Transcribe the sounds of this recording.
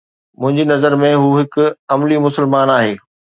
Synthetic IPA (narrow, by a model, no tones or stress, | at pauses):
mʊ̃ɦɪ̃ɲd͡ʑinɐzəɾmẽɦuːɦɪkʊ̆ɐmlimʊsəlmaːnaːɦeː